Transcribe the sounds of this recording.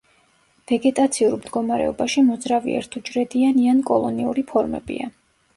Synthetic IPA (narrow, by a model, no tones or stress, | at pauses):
v̥ɛɡɛt̪ʼat̪sʰiuɾmd̪ɡɔmaɾɛ̰ɔbaʃimɔd̪zɾavḭɛ̰ɾt̪ʰud͡ʒɾɛd̪ianiankʼɔlˠɔniṵɾipʰɔɾmɛ̰bḭa̰